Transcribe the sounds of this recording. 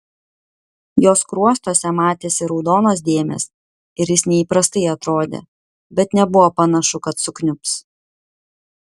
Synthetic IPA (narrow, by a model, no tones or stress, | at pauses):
joːskɾuɔst̪oːsʲɛmɑːt̪ʲeːsʲɪɾɔʊd̪oːnoːs̬d̪ʲeːmʲɛ̰ːs | ɪɾʲjɪsnʲɛiːpɾɐst̪ɐɪɐt̪ɾoːd̪ʲḛː | bʲɛt̪nʲɛbʊʋoːpɐnɐʃʊkɐt̪sʊknʲʊps